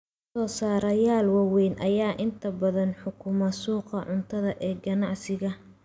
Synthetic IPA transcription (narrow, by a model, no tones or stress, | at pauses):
sɔːsaːɾɐjaːlwɑwɛjnʔɐjaːʔɪnt̪ʰɐbɐðɐnħʊkʰʊmɐsuːqɐʕʊnt̪ʰɐðɐʔɛːɡɐnɑʕsɪɣɐ